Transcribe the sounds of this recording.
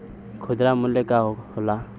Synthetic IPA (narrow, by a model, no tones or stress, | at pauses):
kʰʊd̪ɾamʊlekaɦohola